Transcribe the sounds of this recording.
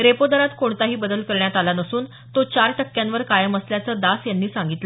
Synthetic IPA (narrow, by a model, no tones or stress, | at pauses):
ɾepod̪əɾat̪koɳt̪aɦiːbəd̪əlkəɾɳjat̪alanəsuːn | t̪ot͡ɕaɾʈəkːjãnʋəɾkajəməsljat͡səːd̪asjanːiːsãŋɡit̪lə